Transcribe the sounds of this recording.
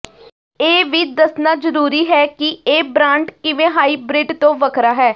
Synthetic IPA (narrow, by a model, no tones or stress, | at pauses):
eːʋɪt͡ʃd̪əsnaːzəɾuːɾiːɦɛːkɪeːbɾãːɳʈkɪʋẽːɦaːiːbɾɪɖt̪õːʋəkʰɾaːɦɛː